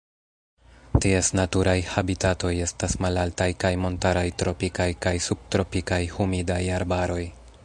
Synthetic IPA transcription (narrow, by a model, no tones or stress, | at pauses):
tiesnatuɾʔajhabitato̞je̞stasmalaltajkajmo̞ntaɾajtɾo̞pikajkajsub̚tɾo̞pikajhumidajaɾbaɾo̞j